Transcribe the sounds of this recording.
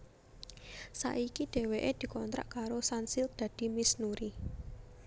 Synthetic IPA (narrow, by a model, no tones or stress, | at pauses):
sa̰ʔikiɖ̪̥e̤weʔed̪̥i̤kɔnt̪ɾa̰ʔkaɾosansɪld̪̥ä̤d̪̥i̤misnuɾi